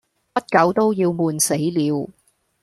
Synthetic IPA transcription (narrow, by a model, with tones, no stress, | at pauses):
pɐ˥t̚kɐ˨˥wt̪o˥wjiː˧wmuː˨˧nse˨˥jliː˨˧w